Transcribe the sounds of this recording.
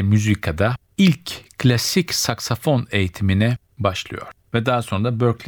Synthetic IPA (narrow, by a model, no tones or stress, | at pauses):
myzikʰad̪a | ilʲckʰːlʲasicsaksafo̞ne̞jit̪ʰiminɛ | baʃlˠɯ̰jo̞̰ɾ̥ | vɛd̪aɦaso̞nɾabøɾklʲ